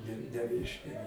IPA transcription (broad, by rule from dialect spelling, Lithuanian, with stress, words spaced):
nʲɛ nʲɛˈrʲɛɪʃʲkʲɛ